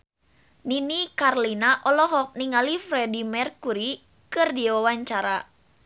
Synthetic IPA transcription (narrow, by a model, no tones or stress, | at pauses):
ninikarlinaʔɔlɔɦɔk̚niŋalifɾɛdimɛrkuɾi | kɨrdiwawaɲt͡ʃaɾa